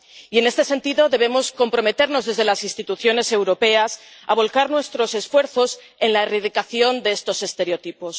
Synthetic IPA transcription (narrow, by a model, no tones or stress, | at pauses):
ie̞ne̞st̪e̞sent̪iðo̞ðe̞β̞emo̞sko̞mpɾo̞me̞t̪e̞ɾno̞zðe̞zð̞e̞lasinst̪it̪uθjo̞ne̞se̞wɾo̞pe̞asa̰β̞o̞lkaɾnwe̞st̪ɾo̞se̞sfwe̞ɾθo̞s | e̞nlaeriðikaθjo̞nd̪e̞est̪o̞se̞st̪e̞ɾeot̪ipo̞s